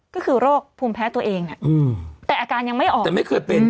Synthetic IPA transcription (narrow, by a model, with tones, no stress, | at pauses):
kɔː˥˩kʰɯː˧ɾoː˥˩k̚pʰuː˧mpʰɛː˦˥t̪u˧ɐʔeː˧ŋna˦˩ʔɯː˧t̪ɛː˨˩ʔaː˧kaː˧nja˧ŋma˥˩jʔɔː˨˩ɛ˨˩ma˥˩jkʰɤː˧jpe˧n